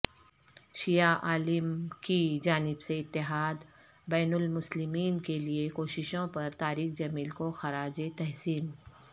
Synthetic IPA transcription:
ʃijaʔaːlɪmkid͡ʒaːnɪbseɪt̪ːɪɦaːd̪ | bɛːnʊlmʊslɪmiːnkeliekoːʃɪʃõpɐɾt̪aːɾiːxd͡ʒɐmiːlkoxɐɾaːd͡ʒet̪ɛɦsiːn

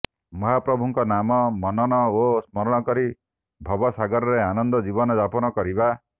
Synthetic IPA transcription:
mɔɦapɾɔbʱuŋkɔnamɔmɔnɔñɔosmɔɾɔɽ̃ɔkɔɾi | bʱɔbɔsaɡɔɾɔɾeanɔnd̪ɔd͡ʒibɔnɔd͡ʒapɔnɔkɔɾiba

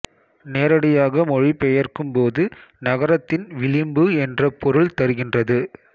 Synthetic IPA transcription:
neːɾɐɽɪjaːɣɐmɔɻipɛjɐrkɯmpoːðɯnɐɣɐɾɐt̪ːɪnʋɪɭɪmbɯɛndrɐpɔɾɯɭt̪ɐɾɯɣɪndrɐðɯ

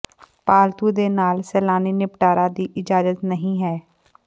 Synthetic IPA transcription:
paːlt̪uːd̪eːnaːlsɛːlaːniːnɪpʈaːɾaːd̪iːʔɪd͡ʒaːzət̪nəɦĩːɦɛː

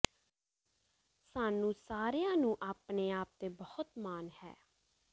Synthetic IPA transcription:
saːnũːsaːɾejãːnũːʔaːpneːaːp̚t̪eːbəhʊt̪maːnhɛ̰ː

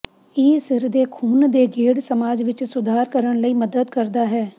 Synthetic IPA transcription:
ɪːsɪɾd̪eːkʰuːnd̪eːɡeːɽsəmaːd͡ʒʋɪt͡ʃsʊd̪ʱaːɾkəɾəɳləiːməd̪əd̪kəɾd̪aːɦɛː

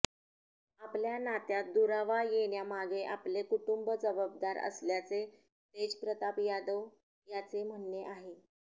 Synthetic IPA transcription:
apljanat̪jat̪̚d̪uɾaʋajeɳjamaɡeʔaplekuʈumbəd͡zəbəb̚d̪aɾə̰sljat͡se | t̪ed͡ʑpɾət̪apjad̪əw | jat͡sem̤əɳːeʔaɦe

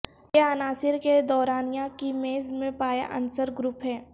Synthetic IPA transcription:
jeanaːsɪɾked̪ɔːɾaːnijãkimeːzmẽpaːja̰ʔɐ̰nsəɾɡɾʊpɦɛː

